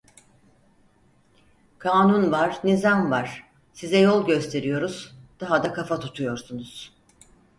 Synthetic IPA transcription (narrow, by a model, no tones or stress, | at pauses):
kʰaːnunvaɾnizamvaɾ̥ | sizɛjo̞lˠɟø̞st̪ʰe̞ɾijo̞ɾuz̥d̪̥aɦad̪akʰafat̪ʰut̪ʰujo̞ɾsunuz̥